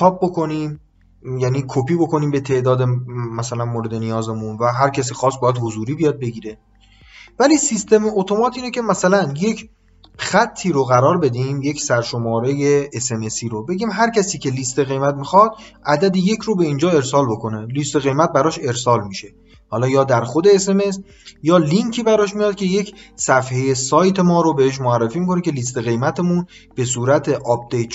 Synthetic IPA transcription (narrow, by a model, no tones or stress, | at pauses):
t͡ʃʰɒːb̚bokʰo̞niːm | jæniːkʰopʰiːbo̞ko̞niːmbe̞t̪ʰe̞ʔd̪ɒːd̪emæsælænmoːɾe̞d̪e̞nijɒːze̞munvæɦæɾcʰæs̬ixɒːst̪bɒːjæd̪hozuːɾiːbijɒːd̪̚be̞ɡiːɾe̞ | væliːsist̪e̞meʔot̪ʰo̞mɒːt̪ʰiːnece̞mæsælænje̞cʰ | xæt̪ʰːiːɾoɣæɾɒːɾbe̞d̪imje̞cʰsæɾʃo̞mɒːɾejeːse̞me̞siːɾobe̞ɟʲiːmɦæɾcʰæsiːcʰe̞liːst̪e̞ɣe̞jmæt̪mixɒd̪̚ʔæd̪æd̪eje̞cʰɾobe̞ind͡ʒɒːe̞ɾsɒːlbo̞ko̞nelist̪e̞ɣe̞jmæt̪̚bæɾɒːʃe̞ɾsɒːlmiʃe̞ | hɒːlɒːjɒːd̪æɾxo̞d̪e̞ːse̞me̞s | jɒːliŋcʰiːbæɾɒːʃmijɒːd̪̥̚kcʰe̞je̞cʰsæfheje̞sɒːjt̪ʰe̞mɒːɾobe̞heʃ̬moærːefiːmikʰo̞necʰe̞liːs̬t̪e̞ɣe̞jmæt̪ʰe̞mun | b̥e̞suːɾæt̪ʰe̞ʔɒp̚d̪ejt̪